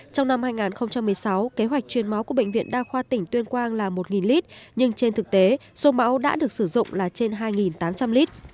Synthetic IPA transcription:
t͡ɕɔ˧wŋ͡mna˧mhaː˧jŋaː˨˩nxə˧wŋ͡mt͡ɕa˧mːɨ˨˩əjsa˨˦wke˨˦ɦwa˨˩jk̟̚t͡ɕwi˨˩ənma˨˦wku˧˩əɓə̰˧˨ŋ̟vḭ˧˨ənɗaː˧xwaː˧t̪ï˧˩ŋ̟t̪wi˧ənkwaː˧nlaː˨˩mo˨˩t̚ŋi˨˩nli˦˥t̚ɲɨ˧ŋt͡ɕe˧nt̪ʰɨ˨˩k̚t̪e˨˦so˧ma̰ː˨˦˥wɗa̰ː˧˥ɗɨ˨˩ək̚sɨ˧˩zʊ̰˧˨ŋ͡mlaː˨˩t͡ɕe˧nɦaː˧jŋi˨˩nt̪aː˨˦mt͡ɕa˧mli˦˥t̚

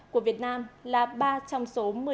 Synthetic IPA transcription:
ku˧˩əvi˨˩ət̚naː˧mlaː˨˩ɓaː˧t͡ɕɔ˧wŋ͡mso˨˦mɨ˨˩ə

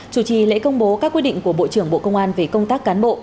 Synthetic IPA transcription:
t͡ɕu˨˧˩t͡ɕi˨˩lḛ˧˥kə˧wŋ͡mɓo˨˦kaː˦˥k̚wi˦˥ɗḭ˧˨ŋku˧˩əɓo̰˧˨t͡ɕɨ˧˩əŋɓo̰˧˨kə˧wŋ͡mʔaː˧nve˨˩kə˧wŋ͡mt̪aː˦˥k̚ːaː˨˦nɓo̰˧˨

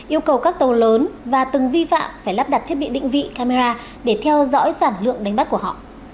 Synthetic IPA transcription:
ʔi˧əwkə˨˩wkaː˦˥k̚t̪ə˨˩wləː˨˦nvaː˨˩t̪ɨ˨˩ŋvi˧fa̰ː˧˨mfaː˧˩jlaː˦˥p̚ɗa˨˩t̪ʰi˦˥t̚ɓi˧˨ɗḭ˧˨ŋ̟vḭ˧˨kaː˧me˧zaː˧ | ɗe˧˩t̪ʰɛ˧wzɔ̰˧˥jsaː˧˩nlɨ̰˧˨əŋɗa˨˦ŋ̟ɓa˦˥k̚u˧˩əhɔ̰˧˨

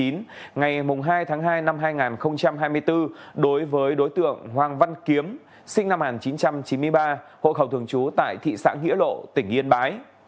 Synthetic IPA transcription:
i˨˦nŋa˨˩jmʊ˨˩ŋ͡mɦaː˧jt̪ʰaː˨˦ŋɦaː˧jna˧mɦaː˧jŋaː˨˩nxə˧wŋ͡mt͡ɕa˧mɦaː˧jmɨ˧əjt̪ɨ˧ɗo˨˦jvəː˨˦jɗo˨˦jt̪ɨ̰˧˨əŋhwaː˨˩ŋva˧nki˨˦əm | sï˧ŋ̟na˧mhaː˨˩nt͡ɕi˨˦nt͡ɕa˧mt͡ɕi˨˦nmɨ˧əjɓaː˧ho̰˧˨xə˧˩wt̪ʰɨ˨˩əŋt͡ɕu˨˦t̪a̰ː˧˨jt̪ʰḭ˧˨sa̰ː˧˥ŋḭ˧˥lo̰˧˨t̪ï˧˩ŋ̟ʔi˧ənɓaː˨˦j

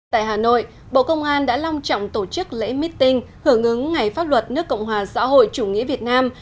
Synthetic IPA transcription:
t̪a̰ː˧˨jɦaː˨˩no̰˧˨j | ɓo̰˧˨kə˧wŋ͡mʔaː˧nɗa̰ː˧˥la˧wŋ͡mt͡ɕɔ̰˧˨wŋ͡mt̪o˧˩t͡ɕɨ˦˥k̚lḛ˧˥mi˦˥t̚t̪ï˧ŋhɨ˧˩əŋʔɨ˨˦ŋŋa˨˩jfaː˦˥p̚lwə˨˩t̚nɨ˦˥əkːə̰˧˨wŋ͡mɦwaː˨˩sa̰ː˧˥ho̰˧˨jt͡ɕu˧˩ŋḭ˧˥əvi˨˩ət̚naː˧m

